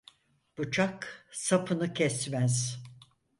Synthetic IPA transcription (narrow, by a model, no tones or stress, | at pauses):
b̥ut͡ʃʰaksapʰɯnɯcʰɛsmæz̥